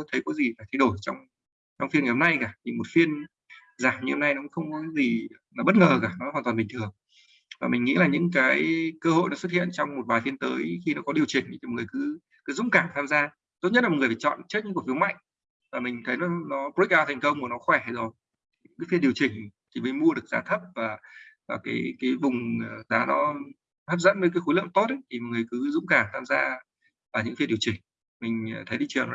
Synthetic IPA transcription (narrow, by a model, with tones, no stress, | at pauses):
jt̪ʰə˨˦jkɔ˨˦zi˨˩laː˨˩t̪ʰjɗo˧˩jt͡ɕɔ˧wŋ͡m | t͡ɕɔ˧wŋ͡mfi˧nːə˨˩ho˧ŋ͡mna˧jkaː˧˩t̪ʰi˨˩mo˨˩t̚fi˧ən | zaː˨˩mɲɨ˧ho˧ŋ͡mna˧jnɔ˨˦kxə˧wŋ͡mkɔ˨˦kaː˨˦zi˨˩ | la˨˦ɓə˦˥t̚ŋəː˨˩kaː˧˩nɔ˨˦haː˨˩t̪aː˨˩ɓï˨˩ŋt̪ʰɨ˨˩əŋ | vaː˨˩mi̟˨˩ŋḭ˧˥laː˨˩ɲɨ̰˧˥ŋkaː˨˦jkəː˧ho̰˧˨jnɔ˨˦swt̚hḭ˧˨ənt͡ɕɔ˧wŋ͡mm˨˩t̚ɓaː˨˩fi˧ənt̪əː˨˦jxi˧nɔ˨˦kɔ˨˦ɗi˨˩əwt͡ɕï˨˩ŋ̟˨˩˨ŋ˨˩əjkɨ˨˦ | kɨ˨˦zʊ̰˧˥ŋ͡mkaː˧˩mt̪ʰaː˧mzaː˧ | t̪o˦˥t̚ɲə˦˥t̚lŋɨ˨˩ə˩faː˨˩t͡ɕɔ̰˧˨nt͡ɕɨ˦˥k̚ɲɨ̰˧˥ku˨˩fi˨˦wma̰˧˨jŋ | vaː˨˩mï˨˩ŋ̟t̪ʰə˨˦jnɔ˨˦nɔ˨˦pk̚ʔaː˧wt̪ʰɛ˨˩ŋkə˧wŋ͡mnɔ˨˦xwɛ˧˩zo˨˩j | ɨ̰˧˥ŋkaː˨˦fi˧nɗi˨˩əwt͡ɕï˨˩ŋ̟t̪ʰi˨˩mə˨˦mu˧əɗɨ˨˩ək̚zaː˨˦t̪ʰə˦˥p̚vaː˨˩vaː˨˩kaː˨˦jkaː˨˦jvʊ˨˩ŋ͡mzaː˨˦nɔ˨˦ | t̪ʰə˦˥p̚zə̰˧˥nvəː˨˦kaː˨˦jxo˨˦lə˧˨əmt̪o˦˥t̚ə˨˦jt̪ʰi˨˩m̚˨˩ŋɨ˨˩ə˩jkɨ˨˦zʊ̰˧˥ŋ͡mkaː˧˩ŋt̪ʰaː˧mzaː˧ | vaː˨˩ɲɨ̰˧˥ŋfi˧nɗi˩əwt͡ɕï˨˩ŋ̟ | mï˨˩ŋ̟˨˩t̪ʰə˨˦jɗi˧t͡ɕɨ˨˩ən˨